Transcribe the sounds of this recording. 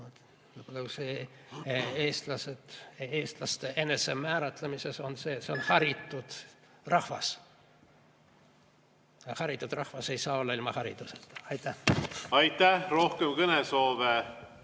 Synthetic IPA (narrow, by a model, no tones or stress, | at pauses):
ot̪ | ɨb̥ɑlːɑkuse | e̞ːst̪lɑsed̪̥e̞ːst̪lɑst̪e̞ʔe̞ne̞se̞mæːɾɑt̪ˑlemise̞so̞nse̞ːt̪se̞onhɑɾit̪ːˑud̪̥ | rɑhvɑ̰s | hɑɾit̪ːˑud̪̥rɑhvɑse̞jsɑːo̞lːɑilmɑhɑɾḭd̪̥use̥t̪ɑjt̪ːˑæɑjt̪ˑæhro̞hkemkɤneso̞ːve